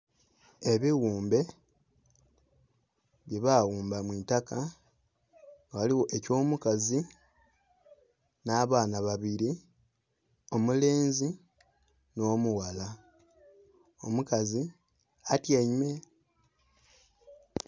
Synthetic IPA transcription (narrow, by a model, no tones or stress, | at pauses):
e̞βiwuːmbe̞ | βjeβawuːmbamwitaka | waliwo̞ʔeco̞ːmukazi | naːβaːnaβaβiɾi | o̞mule̞ːnzi | no̞ːmuwala | omukazi | atjaime̞